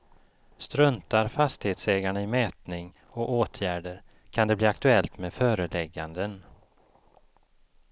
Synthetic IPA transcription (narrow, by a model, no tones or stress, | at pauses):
st̪ɾɵnt̪aɾfast̪ɪheːt̪sɛːɡaɳaɪmɛːt̪nɪŋ | ɔoːt̪ʰjæːɖəɾ | kʰand̪ɛbliːak̚t̪ɵɛlt̪meːd̪fœːɾəlɛɡːand̪ən